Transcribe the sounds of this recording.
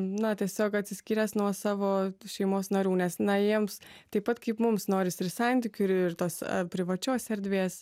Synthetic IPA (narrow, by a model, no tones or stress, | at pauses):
nɐt̪ʲiɛsʲoːkɐt̪ʲsʲɪsʲkʲiːɾʲɛsnuɔsɑːʋoːʃʲɛɪmoːsnɐɾʲuːnʲɛsnɐjiɛmst̪ɐɪpːɐt̪kɐɪpmʊmsnoːɾʲɪsɪrsɑnʲt̪ʲɪkʲʊɪrt̪oːspʲɾʲɪʋɐt͡ʃʲoːsʲɛɾʲd̪ʲʋʲeːs